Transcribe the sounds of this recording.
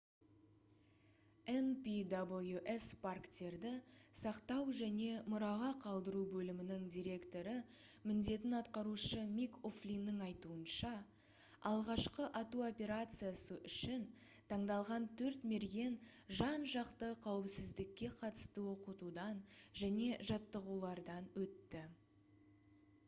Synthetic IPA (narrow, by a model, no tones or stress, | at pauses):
enpʲid̪abəlˠjuʔe̞sparkt̪e̞ɾd̪ɪsɑqt̪ɑwʒæne̞mʊɾɑʁɑqʰɑlˠd̪əɾubɵlɪmɪnɪŋd̪ʲijɾʲe̞kt̪o̞ɾəmɪnd̪e̞t̪ɪnɑt̪qɑɾuʃəmikoflʲinːəŋɑjt̪uənʃɑ | ɑ̰lˠʁɑʃqəʔɑt̪uo̞pʲe̞ɾat̪sɨjasəʔʏʃɪnt̪ʰɑɴd̪ɑlˠʁɑnt̪ʰɵɾt̪me̞ɾɡʲe̞nʒɑnʒɑqt̪əqʰɑwɪpsɪzd̪ɪkʲːe̞qʰɑt̪ə̥st̪əwo̞qət̪ud̪ɑnʒæne̞ʒɑt̪ːəʁulˠɑɾd̪ɑnwɵt̪ːɪ